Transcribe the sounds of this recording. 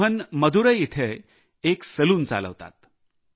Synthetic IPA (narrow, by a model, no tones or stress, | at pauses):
ənməd̪ʱuɾəit̪ʰe | eksəluːnt͡sa̰lə̰ʋt̪a̰t̪̚